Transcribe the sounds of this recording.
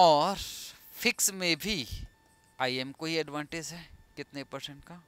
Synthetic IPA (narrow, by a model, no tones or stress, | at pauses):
ɔːɾ | fʰɪksmẽbʱi | aːiemkoɦiɛɖʋãːɳʈɪd͡ʒɦɛːkɪt̪nepəɾsə̃ɳʈka